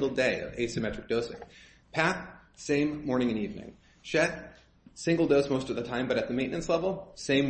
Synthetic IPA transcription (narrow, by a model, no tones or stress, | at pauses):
ɡl̩ˠdeɪʌ̰vḛɪsɨmɛt͡ʃɹ̥ɨk̚d̥oʊsɪ̰̃ŋ | pʰæp̚sẽɪ̃mːɔɹnɪ̃ŋɨ̃nivnɪ̰̃ŋ | ʃɛt̚ | sɪ̃ŋɡl̩ˠdoʊsmoʊstʌvðɨtʰãɪ̃mbʌɾɨt̪̚ðɨmẽɪ̃nɨ̃nslɛvl̩ˠsẽɪ̃m